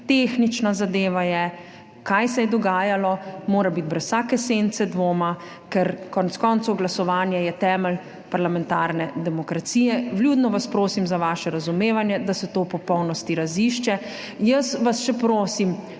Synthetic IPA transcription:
t̪eːxnit͡ʃnazad̪eːʋajɛ | kajsɛjɛd̪ɔɡaːjalɔmoːɾabit̪̚bɾɛssaːkɛsent̪sɛd̪ʋoːma | kɛɾkɔnɛt̪skɔnt̪suɡlasɔʋaːnjajɛt̪ɛːməl | paɾlamɛ̃nt̪aːɾnɛd̪ɛmɔkɾat̪siːjɛʋlʲjud̪nɔʋaspɾoːsimzaʋaːʃɛɾazumeːʋanjɛd̪asɛt̪oːpɔpɔwnɔst̪iɾaziʃt͡ʃɛ | jəsʋasʃɛpɾoːsim

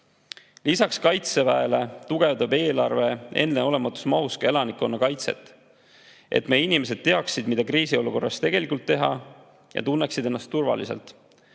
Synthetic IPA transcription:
lisɑkskɑjt̪se̞væele̞t̪uɡ̥e̞vd̪ɑbe̞ːlɑrve̞e̞̰nd̪neo̞le̞mɑt̪ːˑu̥smɑɦuskɑe̞lɑnikːo̞nːɑkɑjt̪se̞̰t̪ˑː | ʔe̞̰t̪meinime̞s̬e̞d̪̚t̪e̞ɑksid̪mid̪ɑkɾiːsio̞luko̞rːɑst̪e̞ɡ̥e̞likːˑult̪ːeɦɑ̰ | jɑ̰t̪unːeksid̪e̞nːɑst̪ːurvɑ̰lḭse̞̰lt̪

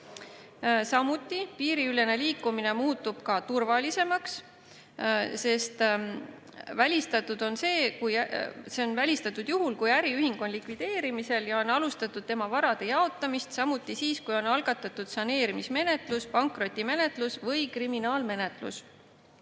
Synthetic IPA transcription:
sɑmut̪ːˑipiːɾiyle̞ne̞liːkːˑumine̞muːt̪ːub̥kɑt̪urvɑlise̞mɑks | se̞st̪ | vælʲist̪ɑt̪ːˑud̪̥o̞nse̞ːkujæse̞o̞nvælʲist̪ɑt̪ːˑud̪̥juɦulkujæɾiyhiŋɡ̥o̞nlikvid̪̥e̞ːɾimise̞ljɑo̞nːɑlust̪ɑt̪ːˑud̪̥̚t̪e̞mɑvɑɾɑd̪̥e̞jɑo̞t̪ːˑɑmist̪sɑmut̪ːˑisiːskujo̞nːɑlɡ̥ɑt̪ːˑɑt̪ːud̪̥sɑne̞ːɾimisme̞ne̞t̪ˑluspɑŋkˑro̞t̪ʲːˑime̞ne̞t̪lusvɤjkriminɑːlme̞ne̞t̪lṵs

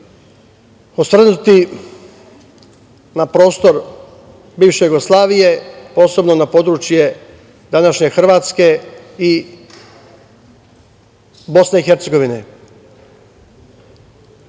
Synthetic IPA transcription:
osʋr̩nut̪i | napɾo̞ːst̪o̞ɾ | biːʋʃe̞juɡoslˠaːʋijepo̞ːse̞bno̞napo̞d̪ɾut͡ʃje̞ | d̪anaʃɲe̞xr̩ʋaːt̪ske̞i | bo̞sne̞ixeɾt̪se̞ɡoʋinḛ

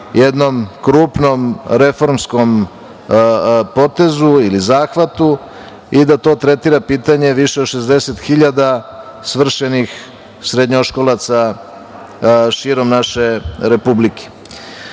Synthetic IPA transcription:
jed̪no̞mkɾuːpno̞mɾe̞fo̞ɾmsko̞m | po̞t̪e̞zuilizaːxʋat̪u | id̪at̪o̞ːt̪ɾet̪iɾapiːt̪aɲe̞ʋiʃeod̪ʃezd̪e̞set̪xiʎad̪a | sʋr̩ʃenix | sɾed̪ɲoʃko̞lˠat̪sa | ʃiːɾo̞mnaʃeɾepublikʰe̥

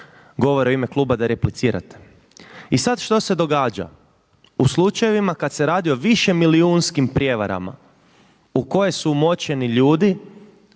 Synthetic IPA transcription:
ɡo̞ʋoɾeo̞ime̞klˠuːbad̪aɾeplit̪siːɾa̰t̪e̥ | isad̪ʃt̪o̞se̞d̪o̞ɡaːd͡ʒa̰ | uslˠut͡ʃaje̞ʋimakad̪se̞ɾaːd̪io̞ʋiʃe̞miliunskimpɾʲje̞ʋa̰ɾa̰ma̰ | uko̞je̞suumo̞t͡ɕe̞niʎuːd̪i

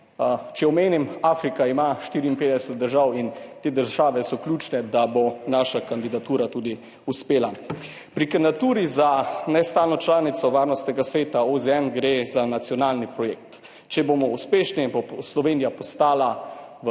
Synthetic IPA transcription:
t͡ʃɛɔmeːnimaːfɾikaimaʃt̪iːɾiːnpeːd̪ɛsɛt̪̚d̪əɾʒawint̪eːd̪əɾʒaːʋɛsɔklʲjuːt͡ʃnɛd̪abonaːʃakand̪id̪at̪uːɾat̪uːd̪i | uspeːla | pɾikand̪at̪uːɾizanɛst̪aːlnɔt͡ʃlaːnit̪sɔʋaːɾnɔst̪nɛɡasʋeːt̪aozɛɛnɡɾezanat̪sjɔnaːlnipɾɔjeːk̚t̪ | t͡ʃɛbomɔuspeːʃniboslɔʋeːnijapɔst̪aːlaʋ

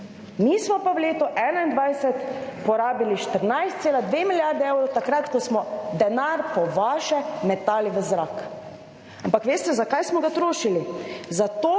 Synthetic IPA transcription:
mismɔpaʋleːt̪uʔɛːnaind̪ʋajsɛt̪pɔɾaːbiliʃt̪əɾnajst̪seːlad̪ʋemiljaɾd̪ɛewɾɔwt̪akɾat̪kɔsmɔd̪ɛnaɾpɔʋaːʃɛmɛt̪aːliʋəzɾak | ampakʋeːst̪ɛzakajsmɔɡat̪ɾoːʃilizat̪oː

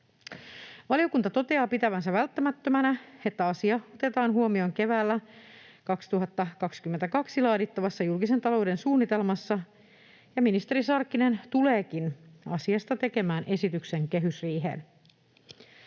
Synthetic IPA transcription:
ʋɑlio̞kunt̪ɑt̪o̞t̪e̞ɑːpit̪æʋænsæʋælt̪ːæmæt̪ːømænæe̞t̪ːæɑsiɑo̞t̪e̞t̪ɑːnɦuomio̞ŋke̞ʋæːlːækɑkst̪uɦɑt̪ːɑkɑkskyment̪ækɑksilɑːdit̪ːɑʋɑsːɑjulkise̞nt̪ɑlo̞wde̞nsuːnːit̪e̞lmɑsːɑ | jɑminist̪e̞ɾisɑrkːine̞nt̪ule̞ːkinɑsiɑst̪ɑt̪e̞ke̞mæːnʔe̞sit̪ykse̞ŋke̞ɦysriːɦḛːn

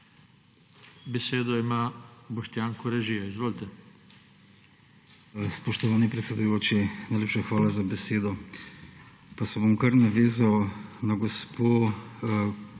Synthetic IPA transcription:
beseːd̪ɔimaːbɔʃt̪jaːŋkɔɾɛʒijaizʋoːlt̪ɛ | spɔʃt̪ɔʋaːnipɾɛt̪sʲɛd̪ujoːt͡ʃinajlʲeːpʃaxʋaːlazabɛseːd̪ɔ | pasɛbomkɐɾnaʋeːzawnaɡospo

